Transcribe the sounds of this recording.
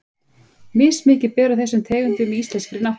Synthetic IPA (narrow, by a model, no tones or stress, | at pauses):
mɪːsmɪːcɪpɛːɾʏθɛsːʏmt̪ʰɛːɣʏnt̪ɪʏmɛist̪lɛnskɾɪna